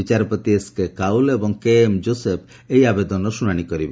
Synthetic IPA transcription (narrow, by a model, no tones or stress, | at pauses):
it͡ʃaɾɔpɾɔt̪ieskekaulebɔŋkemd͡ʒosep̚ʰ | ejabed̪ɔnɔsunaɽ̃ikɔɾib